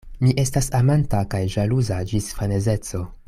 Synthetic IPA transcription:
miʔe̞stasamantakajʒaluzad͡ʒisfane̞ze̞t͡so̞

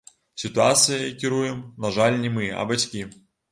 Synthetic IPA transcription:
sʲit̪uat̪sɨjɐkʲiɾujɛmnaʐalʲnʲɛmɨɐ̰bat͡sʲkʲi

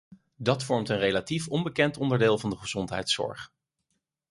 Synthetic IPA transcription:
dɑtfɔɹmtənrejlatifɔnbəkɛntɔndəɹdɪːlˠvɑndəχəz̥ɔntɦɛ̰jtsɔ̰ɹχ

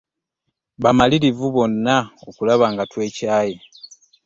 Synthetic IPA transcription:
βamaliɾivuβo̞nːaokulaβaːŋɡatwe̞ːcaːje

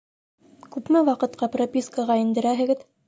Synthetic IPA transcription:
kʉpmɘæwɑqɤ̆t̪qɑpropʲiskəʁɑind̪ɘ̆ɾæɦɘ̆ɡɘð

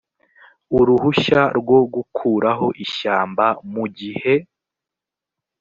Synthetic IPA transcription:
uɾuhuʃaɾɡwo̞ɡukʰuːɾaɦo̞ʔiʃaːmbamuɟihe̞

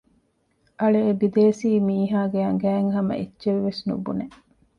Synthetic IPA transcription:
ʔɐɭeːbid̪eːsiːmiːɦaːɡeɐŋɡæːŋɦɐmɐ̰ʔetːt͡ʃeʋːesnṵbune

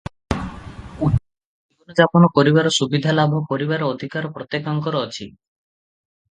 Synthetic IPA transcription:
u | ibɔnɔd͡ʒapɔnɔpoɾiβaɾɔsubid̪ʱalabʱɔpɔɾiβaɾɔod̪ʱikaɾɔpɾɔt̪ːekaŋkɔɾɔɔt͡ʃʰi

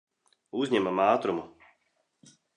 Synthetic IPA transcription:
uzʲɲɛmamaːt̪ɾumu

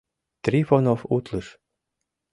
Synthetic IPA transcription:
t̪rʲifonofut̪lɨʃ

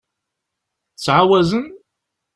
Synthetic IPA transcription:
t͡sːʕawæzən

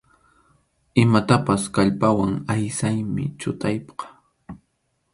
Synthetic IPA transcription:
ɪmat̪apaskaʎpawaŋajsajmɪ̰t͡ʃʊt̪ajpqɑ̥

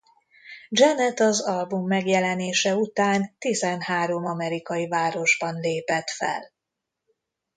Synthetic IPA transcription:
d͡ʒɛnɛt̪ɒzɒlbumːɛɡjɛlɛneːʃɛut̪aːnt̪izɛnhaːɾo̞mɒmɛɾikɒjivaːɾo̞ʒbɒnleːpɛt̪fɛ̰l

